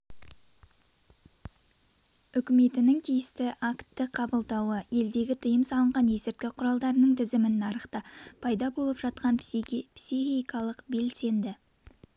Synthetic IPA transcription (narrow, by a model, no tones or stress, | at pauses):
ʏkʲɪme̞t̪ɪnɪŋt̪ʰijɪst̪ɪʔakt̪ːɪqʰɑbəlˠd̪ɑwəe̞ld̪e̞ɡʲɪt̪ʰəjəmsɑlˠəɴʁɑnje̞sɪɾt̪̚kʲɪqʰʊɾɑlˠd̪ɑɾənəɴt̪ʰɪzɪmɪnːɑɾəqt̪ɑpʰɑjd̪ɑbo̞lˠəpʒ̥ɑt̪̚qɑnpsiχijkɑlˠəqbe̞lse̞nd̪ɪ